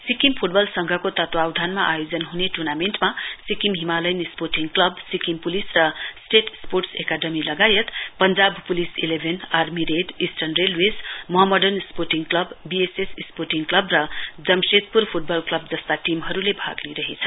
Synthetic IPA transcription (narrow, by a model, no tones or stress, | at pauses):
sikimpʰuʈbʌlsʌŋɡʱʌkot̪ʌt̪wawd̪ʱanmaʔajod͡zʌnɦuneʈurnamenʈmasikimɦimalʌjnisporʈiŋɡklʌbsikimpulisrʌsʈeʈsporʈsekaɖʌmilʌɡajʌt̪pʌnd͡zabpulisilebʱenarmiɾeɖisʈʌnrelwesmʌɦʌmʌɖʌrnsporʈiŋɡklʌbːiesessporʈiŋɡklʌbrʌd͡zʌmset̪purpʰuʈ̚bʌlklʌb̚d͡zʌst̪aʈimɦʌɾulebʱa̰ɡniɾʌɦit͡sʰʌ